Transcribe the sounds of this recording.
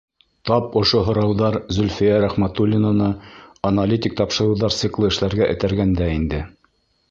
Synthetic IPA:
t̪ɑpŏʃoɦŏɾɑwðɑɾzɵ̆lʲfijæɾæχmæt̪ulʲɪnŏnɤɐnalʲit̪ʲik̚t̪ɑpʃɤ̆ɾɤ̆wðɑɾtssɨklˠɤɘ̆ʃlæɾɡæʔɘ̆t̪æɾɡænd̪æind̪ɘ

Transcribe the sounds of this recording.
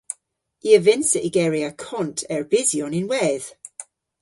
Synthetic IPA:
iəvɪnsəʔiɡɛɹiakʰɔntʰɛɹbɪzjɔnɪnwɛð̥

